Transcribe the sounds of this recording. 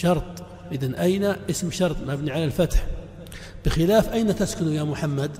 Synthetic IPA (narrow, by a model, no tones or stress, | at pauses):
ʃɑɾˤt̪ˤ | ʔɪðanʔajnaʔɪsmʃɑɾˤt̪ˤmabniʕalalfat̪ħ | b̥ɪxɪlaːfʔajnat̪askʊnujamʊħamːad̪